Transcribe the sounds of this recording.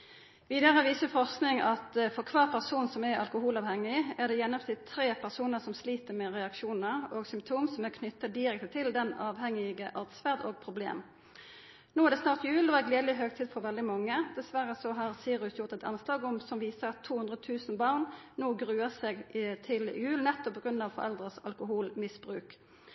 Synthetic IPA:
ʋiːd̪əʁəʋiːsəfɔʁsknɪŋɑt̪fɔʁkʰʋɑːʁpʰæʁsuːnsɔmæɾɑ̰lkʊhuːlɑːʋhɛŋːɪæʁd̪ɛjɛnɔpt̪ʰɪt̪ʰːɾeːpʰæʁsuːnəʁsɔmsliːt̪əmɛʁɛɑkʃuːnəʁoːɡsʏmp̚t̪ʰuːmsɔmækʰnʏt̪ːɑd̪ɪʁɛk̚t̪ət̪ʰɪld̪ɛnɑːʋhɛŋɪɡəʔɑʁd̪sfæʁd̪oːɡ̚pʰʁʊblḛːm | noːæʁd̪ɛsnɑːʁt̪jʉːlɔːæɡleːd̪lɪɦøːɡ̚t̪ʰiːd̪fɔɾʋɛld̪ɪmɑŋːəd̪ɛsʋæʁəsɔɦɑʁsiːʁʉsjʊʁt̪ɛt̪ʰɑ̰nslɑːɡɔmsɔmʋiːsəʁɑt̪ʰːuːhʉnd̪ʁət̪ʰʉːsnbɑʁnnoːɡʁʉːəseɡt̪ʰɪlɪ̰jʉːlnɛt̪ːɔpʰːɔɡʁʉnːɑʋfɔ̰ɾɛ̰ld̪ʁəsɑ̰lkʊhuːlmɪsb̥ʁʉːk

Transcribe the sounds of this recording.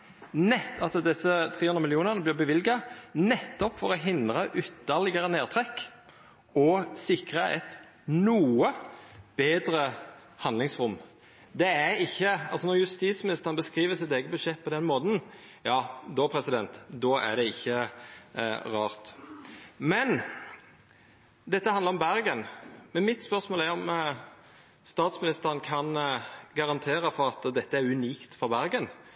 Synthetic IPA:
nɛt̪ʰːɑsd̪ɛsːət̪ʰʁeːhʉnəmɪljuːnəʁnəblɪːbəʋɪlɡɑnɛt̪ːɔpfɔɾɔɦɪnd̪ɾɑʔʏt̪ːəʁlɪɡəɾəneːʁt̪ʰʁɛkː | ɔsɪkɾɑʔɛt̪ | nuːəb̥eːd̪ɾə | hɑnd̪lɪŋsʁʊm | d̪ɛæɪçːəɑlsɔnɔʁjʉst̪iːsmɪnɪst̪əʁənbəskʁiːʋəsɪt̪ɛːɡəbʉʃʂɛt̪̚ːpʰɔd̪ɛnmoːd̪n̩ | jɑːd̪opʰɾɛsɪd̪ɛnt̪d̪ɔːæ̰d̪ɛɪçːə | ʁɑːʁt̪ | mɛn | d̪ɛt̪ːəhɑnd̪əʁɔmbæɾɡənmɛnmɪt̪spœʁsmoːlæɾɔm | st̪ɑːt̪smɪnɪst̪əʁənkʰɑnɡɑʁɑnt̪ʰeːɾəfɔʁɑt̪ːd̪ɛt̪ːəæɾʉniːkt̪fɔʁbæɾɡən

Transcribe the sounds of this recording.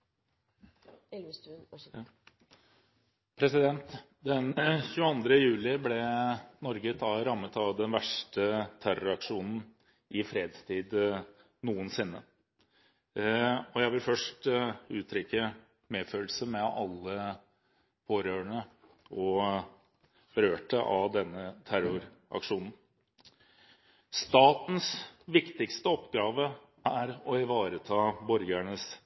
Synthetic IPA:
pʰɾɛsɪd̪ɛnt̪ | d̪ɛnçʉːəɑnd̪ɾəjʉːlɪblɛnɔɾɡət̪ʰɑɾɑmːət̪ɑʋd̪ɛnʋæʂʈət̪ʰæɾɑkʂuːnn̩ | ʔɪfɾeːd̪st̪ʰiːd̪ | nuːənsɪnːə | ɔjæɪʋɪlfœʂʈʉːt̪ʰɾʏkːə | meːføːlsəmɛɑlːə | pʰoːɾøːəɳə | ɔ | ɾøːʈəʔɑ̰d̪ɛnːət̪ʰæɾʊɾʔɑ̰kʂuːnn̩ | st̪ɑːt̪n̩sʋɪkt̪ɪkst̪əɔpːɡɑːʋə | æɾɔɪʋɑːɾət̪ʰɑːbɔɾɡæɳəs

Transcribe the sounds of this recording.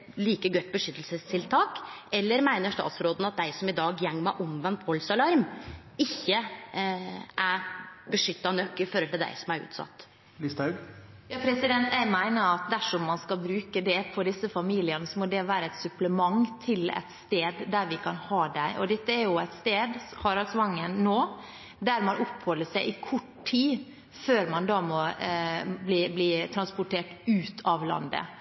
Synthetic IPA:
liːkəɡœʏt̪̚bəʂʏt̪ːəlsəst̪ʰɪlt̪ʰɑːkɛlːəɾmæɪnəʂt̪ɑ̰ːt̪sɾoːd̪n̩ɑt̪̚d̪æɪsɔmɪd̪ɑːɡjɛŋːmæʔɔmʋɛnt̪ʋɔlsɑlɑɾm | ɪçːə | ʔæɾbəʂʏt̪ːɑnœkːɪfɔɾhɔlt̪ɪld̪æ̰ɪsɔmæɾʉ̰ːt̪sɑ̰t̪ː | list̪ɑ | jɑːpʰɾɛsɪd̪ɛnt̪jæɪmæɪnəɾɑt̪̚d̪æʂɔmːɑnskɑlbɾʉːkəd̪ɛpʰɔd̪ɪsəfɑmiːlɪənəsɔmɔd̪ɛʋæːɾəæɪt̪sʉpləmɑŋt̪ʰɪlɛ̰t̪st̪eːd̪d̪æɾʋɪkʰɑnhɑːd̪æɪʔɔd̪ɛt̪ːəæɾjʊæɪt̪st̪eːd̪hɑːɾɑsʋɑŋːənːoː | d̪æɾmɑnʔʊpːhɔlːəʂæɪʔɪkʰʊʈtʰiː | føːɾmɑnd̪ɑːmɔ | bliːbliːt̪ʰɾɑnspʊʈʰeːʈʉːt̪ʰɑʋlɑ̰nd̪ə̰

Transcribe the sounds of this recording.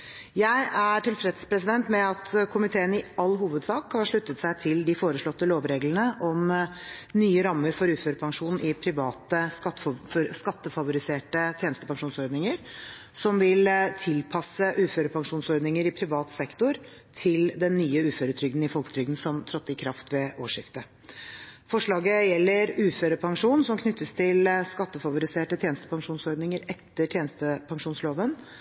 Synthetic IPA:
jæɪʔæʈɪlfɾɛt̪spʰɾɛsɪd̪ɛnt̪mɛɑt̪kʰʊmɪt̪ʰeːənɪɑlːɦuːʋəd̪sɑːkhɑɾʂɭʉt̪ːət̪sæɪt̪ʰɪld̪ɪfoːɾəʂɭɔt̪ːəloːʋɾeːɡlənəʔɔm | nyːəɾɑmːəɾfɔɾʉːføːɾəpʰɑŋʂuːnn̩ʔɪpʰɾɪʋɑːt̪ə | skɑt̪ːəfɑʋʊɾɪseːʈət̪ʰjeːnəst̪əpʰɑŋʂuːnsɔɾd̪nɪŋəɾ | sɔmʋɪlt̪ʰɪlpʰɑsəʔʉːføːɾəpʰɑŋʂuːnsɔɾd̪nɪŋəɾɪpʰɾɪʋɑːt̪sɛkt̪ʊɾ | t̪ʰɪld̪ɛnːyːəʉːføːɾət̪ʰɾʏɡd̪n̩ɪfɔlkət̪ʰɾʏɡd̪n̩sɔmt̪ʰɾɔt̪ːɪkʰɾɑft̪ʋɛʔoːʂɪft̪ə | fɔʂɭɑːɡəjɛlːəɾʉːføːɾəpʰɑŋʂuːnsɔmkʰnʏt̪ːəst̪ʰɪlskɑt̪ːəfɑʋʊɾɪseːʈət̪ʰjeːnəst̪əpɑŋʂuːnsɔɾd̪nɪŋəɾɛt̪ːəʈʰjeːnəst̪əpʰɑŋʂuːnsloːʋən

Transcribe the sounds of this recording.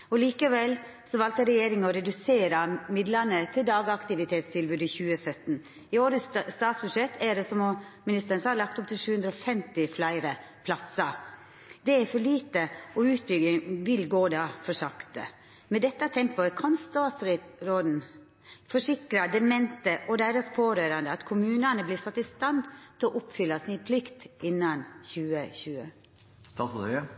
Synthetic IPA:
ɔliːkəʋɛlsɔʋɑlt̪əɾɛjeːɾɪŋɔɾɛd̪ʉseːɾɑmɪd̪lɑnət̪ʰɪld̪ɑːɡɑkt̪ɪʋɪt̪ʰeːt̪st̪ʰɪlbʉːd̪ɪçʉːəsœt̪n̩ | ɪoːɾəsst̪ɑːt̪sbʉʂɛt̪ʰːæɾɛsɔmoːmɪnɪst̪əɾənsɑːlɑk̚t̪ɔp̚t̪ʰɪlʂʉːʉnd̪ɾəɔfɛmt̪ɪflæɪɾə | pʰlɑsɑ | d̪ɛæfɔɭiːt̪əʔɔʉːt̪̚bʏɡɪŋʋɪlɡoːd̪ɑfɔʂɑkt̪ə̰ | mɛd̪ɛt̪ːət̪ʰɛmpɔɛkʰɔnst̪ɑːt̪sɾɪɾoːd̪n̩ | fɔʂɪkɾɑd̪ɛmɛnt̪əʔɔd̪æɪɾɑspʰoːɾøːɾɑnd̪əɑt̪kʰʊmʉːnənəblɪsɑt̪ːɪst̪ɑnd̪t̪ʰɪlɔʔʊpfʏlːɑsɪnpʰlɪkt̪ʔɪnːɑnçʉːəçʉːə̰ | st̪ɑːsə

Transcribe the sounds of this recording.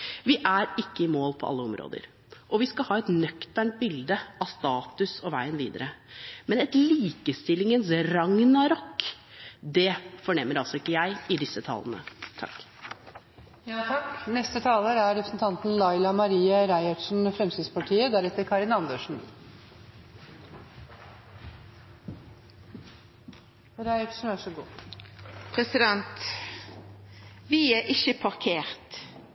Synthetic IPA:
ʋɪʔæɾɪkːəɪmoːlpʰɔ̰ɑ̰lːəɔmɾo̰ːd̪ə̰ɾ | ʔɔʋɪskɑhɑːɛt̪nœkt̪æɳʈ̪̚bɪld̪əɑst̪ɑːt̪ʉsɔʋæɪənʋiːd̪əɾəmɛnɛt̪liːkəst̪ɪlːɪŋənsɾɑŋnɑɾɔkː | d̪ɛfɔɳɛmːəɾɑlsɔɪkːəjæɪɪd̪ɪsət̪ʰɑ̰ːlə̰nə̰t̪ʰɑ̰kː | knɛst̪ət̪ʰɑːləɾæɾɾɛpɾəsn̩t̪ʰɑnt̪n̩lɑɪlɑmɑɾiːəɾæɪɑʈʂn̩fɾɛmst̪ɪd̪spɑʈʰiːəd̪æɾɛt̪ːəɾkʰɑɾɪnɑnd̪əʂɳ̩ | ɾæɪɑʂɳ̩ʋæʂəɡṵː | pʰɾɛsɪd̪ɛnt̪ | ʋɪæʔɪçəpʰɑɾkʰeːɾt̪

